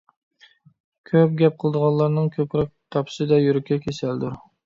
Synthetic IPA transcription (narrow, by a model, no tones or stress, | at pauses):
kʲʰøp̚ɡʲɛp̚qʰəlˠəd̪əʁɑnlˠɑɾnɨŋkʲʰøpɾɛk̚t̪ʰɑpʰsɨd̪ɛjyɾɪkʲʰːɛkʲʰesæld̪uɾ